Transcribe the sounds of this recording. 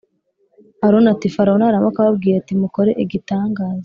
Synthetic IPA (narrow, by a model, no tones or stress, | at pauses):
haɾonatifaɾanaɾamakaβabɡiːjatimuko̞ɾe̞ʔiɡitaːŋɡaːzo